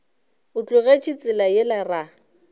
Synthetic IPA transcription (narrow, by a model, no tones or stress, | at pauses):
ʊt͡ɬʼʊɣet͡ʃʰit͡sʼɪlajɪlara